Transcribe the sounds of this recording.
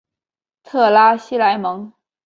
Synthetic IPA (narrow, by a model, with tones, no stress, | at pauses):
t̪ʰɤ˥˩la˥ɕi˥la˧˥ɪmɤ˧˥ŋ